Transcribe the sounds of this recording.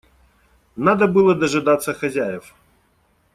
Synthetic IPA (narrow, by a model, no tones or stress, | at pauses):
nad̪əbɨlˠəd̪ɐʐɨd̪at̪sːəxɐzʲæjɪf